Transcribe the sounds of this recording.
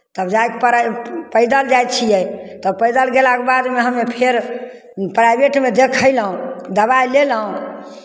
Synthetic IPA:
t̪əbd͡ʒajkpəɾpəjd̪əld͡ʒajt̪t͡ʃʰijɛt̪əpəjd̪əlɡelakebad̪meɦəmepʰeɾ | pɾajbeʈmed̪ekʰəjlɦũd̪əβajleləɦũ

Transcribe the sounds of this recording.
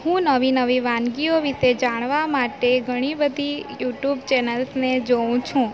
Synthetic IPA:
hũnəʋinəʋiʋãnɡioʋiʃed͡ʒaɳ̃ʋamaʈeɡʱəɽ̃ibəd̪ʱijuʈjubt͡ʃɛnəlsned͡ʒoũt͡ʃʰũ

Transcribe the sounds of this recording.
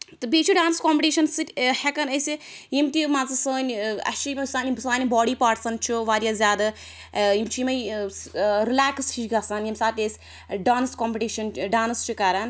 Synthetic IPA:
t̪ɨbiːt͡ʃʰiɖaːnskoːmpʲʈiːʃɐnsɨtʲhɛkɐnɐsijimt̪imaːt͡sɨsəːnʲɐ̰st͡ʃʰijmɐsaːnibɨsaːnʲibɔːɽiːpaːɾʈsɐnt͡ʃʰiʋaːɾjaːzʲjaːd̪a | jimt͡ʃʰijimɐj | ɾilaːkst͡ʃiʃɡasaːnjimsaːt̪ʲesʲ | ɖaːnskɔːmpiʈiːʃɐnɖaːnst͡ʃʰikɐɾɐn

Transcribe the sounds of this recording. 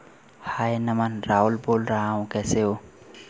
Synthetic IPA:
haːjnɐmanɾaːulboːlɾaɦaũkɛseo

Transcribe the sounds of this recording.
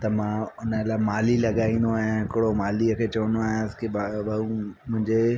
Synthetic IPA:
t̪ɐmãʊnəlaːmaːlilɐɠaːĩːn̆d̪oaːɦjãɦɪkɪɽomaːliəkʰeːt͡ɕɐʋə̃nd̪oaːɦjãskebabɐumʊ̃ɦɪ̃ɲd͡ʑe

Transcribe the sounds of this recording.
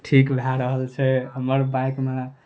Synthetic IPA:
ʈʰikbʱaɾəɦəlt͡ʃʰɛɦəməɾbajkmena

